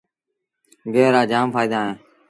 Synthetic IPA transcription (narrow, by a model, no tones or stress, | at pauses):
ɡeːɾaːd͡ʒaːmfʰaːiːd̪aːɦẽː